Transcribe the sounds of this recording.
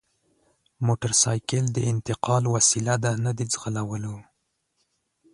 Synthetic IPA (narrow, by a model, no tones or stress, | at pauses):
moʈaɾsɑjkəld̪əɪnt̪ɪqɑlwasilad̪anad̪id͡zɣəlawəlo